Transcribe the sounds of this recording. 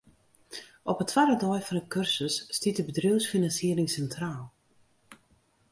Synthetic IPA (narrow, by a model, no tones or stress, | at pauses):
ɔpətʰʋadədɔjfɔnəkørsəsːtitdəbədrøːwsfinɑnsiːəɾɪŋsɛntraːlˠ